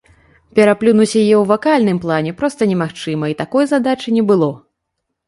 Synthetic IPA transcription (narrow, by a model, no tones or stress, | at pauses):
pʲɛɾaplʲunusʲɐjjɛwvakalʲnɨmplˠanʲɛpɾɔst̪ɐnʲɛmaxt͡ʂɨmɐit̪akɔjzad̪at͡ʂɨnʲɛbɨlˠɔ